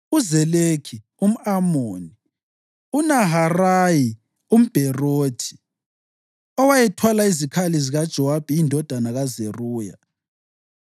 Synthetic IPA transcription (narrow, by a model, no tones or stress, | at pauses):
uzɛlekʰi | um̩amoːni | unaɦaraji | um̩b̥ʱɛroːtʰi̥ | ɔwajɛtʰwalaizikʰaliziɣad̥ʒ̥ʱɔwab̥ʱiːndʱɔd̥ʱanaɣazeruːja̰